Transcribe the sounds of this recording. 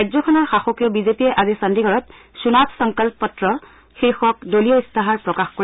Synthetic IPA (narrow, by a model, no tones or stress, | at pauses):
ajzɔkʰɔnɔɹxaxokijɔbizepiɛʔazisandiɡʱɔɹɔt | sunapsɔŋkalppɔtɹɔ | xiɹxɔk̚dolijɔistaɦaɹpɹɔkaxkoɹ